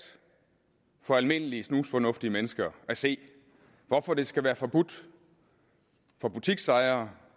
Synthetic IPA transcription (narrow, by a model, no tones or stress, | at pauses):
fɒ̽ælme̝n̰əliəsnuːsfɒ̽nɔ̽fd̥iəmenəsɡ̥ɐæse̝̰ː | ʋɒfɒd̥e̝sɡ̥æʋæːɐfɒ̽b̥ud̥ | fɒ̽b̥ut͡sʰiɡ̥sɑ̈ɪɐː